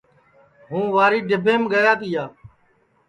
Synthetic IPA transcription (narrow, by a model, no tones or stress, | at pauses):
ɦũːʋaːɾiːɖɪbʱẽːmɡəjaːt̪iːjaː